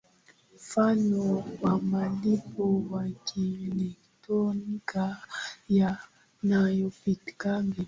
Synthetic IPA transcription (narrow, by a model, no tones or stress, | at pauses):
mmfanɔwamalipɔwakʰilɛk | tɔnikaja | najɔpiti̥kaŋɡi